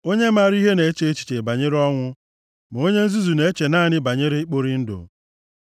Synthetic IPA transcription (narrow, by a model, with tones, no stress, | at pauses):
o˦ɲe˦m̩a˦˨ɾi˦ɦe˦ne˨e˦t͡ʃe˦e˦t͡ʃi̥˨t͡ʃe˨ba˨ɲe˦ɾɔ˦ŋʷʊ˦ | m˨o˦ɲe˦n̩˦zu˦zu˨ne˨˦e˦t͡ʃe˨naː˦˨nɪ˦ba˨ɲe˦ɾɪ˦k͡po˦ɾi˦n̩˦do̰˨